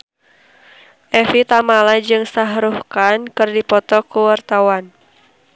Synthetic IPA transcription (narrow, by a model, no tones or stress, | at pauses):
ʔɛfit̪amalad͡ʒɨŋsaɦɾuhkankɨrdipɔt̪ɔkuwart̪awan